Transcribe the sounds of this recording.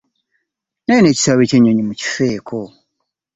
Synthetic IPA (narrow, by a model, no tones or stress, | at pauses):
neneːci̥saβeceːɲoɲimuci̥feːkʰo